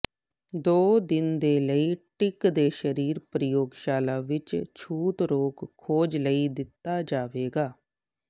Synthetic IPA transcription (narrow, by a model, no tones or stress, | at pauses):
d̪oːd̪ɪnd̪eːləiːʈɪkd̪eːʃəɾiːɾpɾəjoːɡʃaːlaːʋɪt͡ʃt͡ʃʰuːt̪ɾoːkkʰːoːd͡ʒləiːd̪ɪt̪ːaːd͡ʒaːʋeːɡaː